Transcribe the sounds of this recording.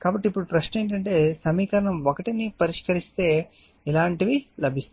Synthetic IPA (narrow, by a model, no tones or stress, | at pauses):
kaːbɐʈːipːuɽupɾɐʂnɐe̞ːɳʈɐɳʈe̞ːsɐmiːkɐɾɐɳɐmokɐʈinipɐɾiʂkɐɾist̪e̞ː | ilaːɳʈiʋilɐbʱist̪